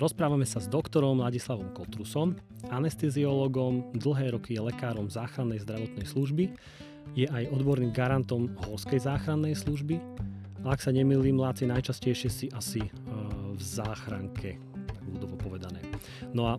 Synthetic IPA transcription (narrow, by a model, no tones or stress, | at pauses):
ɾɔspɾaːʋamɛsazd̪ɔkt̪ɔɾɔmlaɟislaʋɔmkɔt̪ɾusɔm | anɛst̪ɛziɔlɔɡɔmd̪l̩ˠɦɛːɾɔkijɛlɛkaːɾɔmzaːxɾanːɛjzd̪ɾaʋɔt̪nɛjsluʒbi | jɛʔajɔd̪bɔɾniːmɡaɾant̪ɔmɦɔskɛjzaːxɾanːɛjsluʒbi | aaksaɲɛmiːliːmlaːt̪t͡sinajt͡ʃascɛjʃɪɛsiʔasi | vzaːxɾaŋkʰɛ | mud̪ɔʋɔpɔʋɛd̪anɛ̰ː | nɔa